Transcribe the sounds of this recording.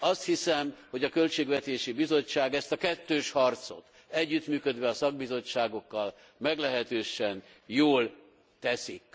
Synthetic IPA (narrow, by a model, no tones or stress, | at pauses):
ɒst̪hisɛmho̞ɟɒkølt͡ʃeːɡʋɛt̪eːʃibizo̞t͡ʃːaːɡɛst̪ɒkɛt̪ːøːʃhɒrt̪so̞̰t̪ | ɛɟːyt̪myːkø̞d̪ʋɛɒsɒɡ̚bizo̞t͡ʃːaːɡo̞kːɒl | mɛɡlɛɦɛt̪øːʃɛn | joːl | t̪ɛsik